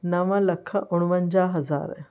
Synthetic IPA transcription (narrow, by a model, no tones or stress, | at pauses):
nɐʋə̃lɐkʰʔʊɽ̃ʋə̃ɲd͡ʑaːɦɐza̰ːɾ